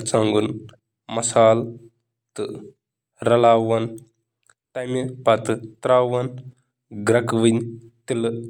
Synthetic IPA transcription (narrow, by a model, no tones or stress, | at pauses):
t͡saŋɡun | mɐsaːl | t̪ɨ | ɾɐlaːʋɐn | t̪ɐmipɐt̪ɨt̪ɾaːʋɐn | ɡɾɐkʋɨn | t̪il